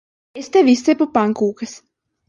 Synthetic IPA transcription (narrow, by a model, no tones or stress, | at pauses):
est̪ɛvʲisʲt̪sʲepupaŋkuːkɐs